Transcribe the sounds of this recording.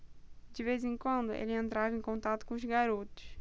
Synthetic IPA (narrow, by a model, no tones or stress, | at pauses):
d͡ʒɪvezẽŋkwɐ̃nd̪ʊʔḛlɪẽnt̪ɾavẽkõnt̪at̪ʊ̥kõʊzɡaɾot̪ʊ̥ʃ